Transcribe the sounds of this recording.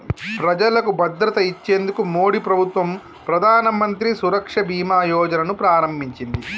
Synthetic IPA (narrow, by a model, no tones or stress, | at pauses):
pɾɐd͡ʒɐlɐkubɐd̪ɾɐt̪ɐit͡ʃːeːnd̪ukumo̞ːɽipɾɐbʱut̪ʋɐm | pɾɐd̪ʱaːnɐmɐnt̪ɾisuɾɐkʂɐbʱiːmaːjɔːd͡ʒɐnɐnupɾaːɾɐmbʱiɲt͡ʃind̪i